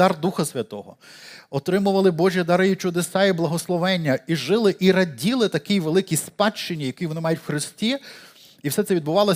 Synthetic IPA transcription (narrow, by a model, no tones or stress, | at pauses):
ɑrd̪uxɐsʲʋʲɐt̪ɔɦɔɔt̪ɾɪmʊʋɐlˠɪbɔʒʲjid̪ɑɾɪjit͡ʃʊd̪esɑiblˠɐɦɔslˠɔʋɛnʲːɐiʒɪlˠɪʔiɾɐdʲilˠɪt̪ɐkɪjʋelˠɪkijspɑt͡ʃt͡ʃːɪnʲːijɐkʲijʋɔnɪmɑjʊtʲwxɾɪstʲi | iwsɛt̪sɛʋʲid̪̚bʊʋɑlˠɔ